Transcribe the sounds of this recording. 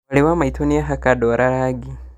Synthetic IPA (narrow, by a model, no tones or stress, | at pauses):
aliwamaituniaɦakadoɾʔaɾaɡi